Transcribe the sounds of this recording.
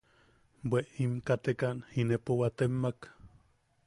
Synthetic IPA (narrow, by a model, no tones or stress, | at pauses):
bweʔimkat̪ekanhinepowat̪emːak